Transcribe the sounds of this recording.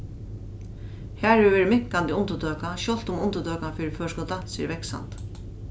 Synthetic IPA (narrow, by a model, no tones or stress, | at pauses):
hæːɹɛɪʋɛːɹɪmɪkant̪iːʊnt̪əd̪øːkaʃɔl̥t̪ʊmʊnt̪əd̪œːkanfiːɾɪføːʂkɔt̪asiːəɾʋɛksa̰nt̪